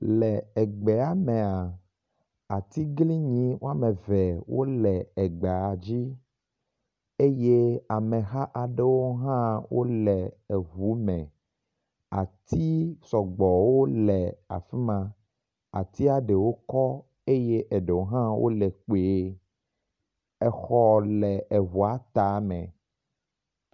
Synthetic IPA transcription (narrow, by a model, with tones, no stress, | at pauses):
lɛ˨ɛ˨ɡ͡bɛ˨a˨mẽ˨a˨ | a˨t̪i˦ɡli˦ɲĩ˨˦wo˦a˦mẽ˨vɛ˨wo̰˦lɛ˨ɛ˨ɡ͡be˨a˨d͡ʑi˦ | e˦je˦a˨mẽ˨ɦa˦ʔa˨ɖe˦wo˦ɦã˦wo̰˦lɛ˨e˨ɦu˨˦mɛ̰̃˨ | a˨t̪ʰi˦sɔ˨ɡ͡bɔ˨wo˦lɛ˨a̰˨fi˦mã˨ | a̰˨t̪i˦a˨ɖe˨wo˦kɔ˦ | e˦je˦ʔɛ˨ɖe˨wo˦ɦã˦wʔo̰˦lɛ˨k͡pe˨˦ | ɛ˨xɔ˦lɛ˨ɛ˨ɦu˨a˦t̪a˨˦mɛ̃˨